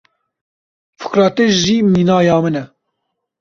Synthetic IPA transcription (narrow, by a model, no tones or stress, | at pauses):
fu̥kɾɑːt̪esʒiːmiːnɑːjɑːmɨnɛ